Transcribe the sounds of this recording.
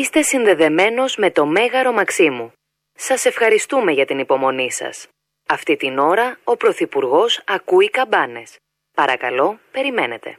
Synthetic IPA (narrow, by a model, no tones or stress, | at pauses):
ist̪e̞sinðe̞ðe̞me̞no̞zme̞t̪o̞me̞ɣɐɾo̞mɐksimu | sɐse̞fxɐɾist̪ume̞ʝɐt̪inipo̞mo̞nisɐ̰s | ɐft̪it̪ino̞ɾɐo̞pɾo̞θipuɾɣo̞sɐkuikɐbɐne̞s | pɐɾɐkɐ̰lo̞pe̞ɾime̞ne̞t̪e̞̰